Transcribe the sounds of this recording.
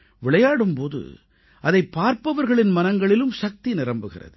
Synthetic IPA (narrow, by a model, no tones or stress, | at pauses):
ʋɪɭɐjaːɽɯmpoːðɯ̰ | ʔɐðɐɪpːaːɾpɐʋɐɾɣɐɭɪnmɐnɐŋɡɐɭɪlɯmsɐk̚t̪inɪɾɐmbɯɣɪ̰rɐ̰ðɯ